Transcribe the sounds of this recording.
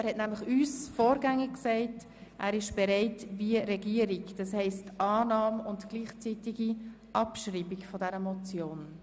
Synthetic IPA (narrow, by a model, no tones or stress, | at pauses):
æɾhɛtnæmlɪχyːsfoːɾɡæŋiksɛɪt | ʔæ̰ːɾɪʃb̥ɛɾɛɪtviəɾɛɡiəɾikd̥ɑshɛɪstʔɑːnɑːmʊntɡ̥liːχt͡sitiɡi | ʔɑpʃriːbikfɔdɛɾəmɔt͡sjoːn